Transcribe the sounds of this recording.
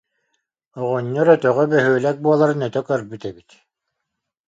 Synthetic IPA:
ɔʁɔɲːɔɾœt̪œʁɛbœɦyːlæk̚buɔlˠaɾɯnɛt̪œkœɾbyt̪ɛbit̪

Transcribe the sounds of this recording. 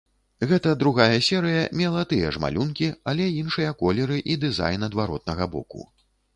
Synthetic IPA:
ɣɛt̪ɐd̪ɾuɣajɐsʲɛɾɨjɐmʲɛlˠat̪ɨjɐ̰ʐma̰lʲunkʲialʲɛinʂɨjɐkɔlʲɛɾɨʔid̪ɨza̰jnɐd̪vaɾɔt̪̚nɐɣɐbɔ̰kṵ

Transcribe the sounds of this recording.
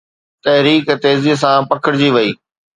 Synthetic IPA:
t̪ɐɦɾiːkt̪eːziːs̬ãpɐkʰəɽɪd͡ʑiːʋɐiː

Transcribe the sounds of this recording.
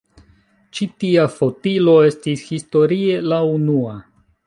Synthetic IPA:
t͡ʃitiafo̞tilo̞e̞stishisto̞ɾie̞launua

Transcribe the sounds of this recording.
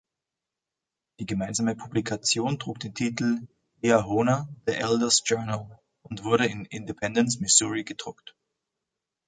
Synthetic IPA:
d̥iːɡəmaɪnzaːməpʰublikʰat͡sjoːntʁ̥uːk̚d̥eːntʰiːtl̩ | eaɦoːnad̥əʔɛldəsd͡ʒ̥œɐnəl̩ | ʔʊntv̥ʊɐɾəɪnɪndepʰɛndənsmɪsuʁiɡədʁʊkt

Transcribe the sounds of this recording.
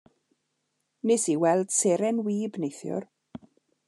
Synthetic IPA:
nɪsiwɛlˠd̥seɾɛnwiːbnejθjʊ̰r

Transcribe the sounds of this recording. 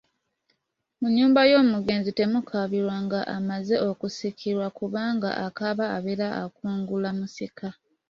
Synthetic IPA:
muɲːuːmbajo̞ːmuɡe̞ːnzite̞mukʰaβiɾwaŋɡaʔamaze̞ʔo̞kusikʰiɾwakuβaːŋɡa̰ʔakaβaːβeɾaakuːŋɡulamusika

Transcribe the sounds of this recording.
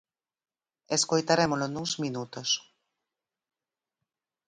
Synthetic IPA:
eskojt̪aɾemolonuŋzmĩnut̪os

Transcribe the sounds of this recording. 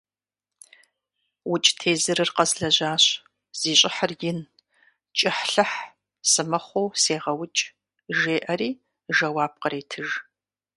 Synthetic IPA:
wʊt͡ʃʼtʰeːzɨɾɨrqɐzɮɐʑaːɕ | z̥iːɕʼɪħɐrjɪn | t͡ʃʼɪħɬɐħ | sɨmɐχʷowseːʁɐwʊt͡ʃʼ | ʒeːʔɐɾiː | ʒɐwaːb̚qəɾeːtʰɨʒ

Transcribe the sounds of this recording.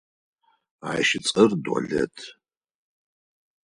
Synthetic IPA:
ajʃɪt͡sʼərdwa̰ɮɛ̰tʰ

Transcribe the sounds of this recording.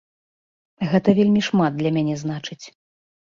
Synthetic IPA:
ɣɛt̪ɐvʲelʲmʲiʂmad̪d̪lʲɐmʲanʲɛznat͡ʂɨt͡sʲ

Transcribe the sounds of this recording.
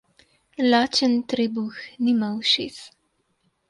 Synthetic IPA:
laːt͡ʃənt̪ɾeːbuxnimawʃis

